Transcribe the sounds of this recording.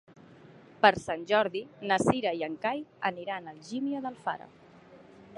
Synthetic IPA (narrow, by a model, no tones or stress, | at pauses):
pəɾsanʲʒɔɾðinəsiɾəiəŋkajə̰niɾanəlˠʒimioðəlˠfa̰ɾə̰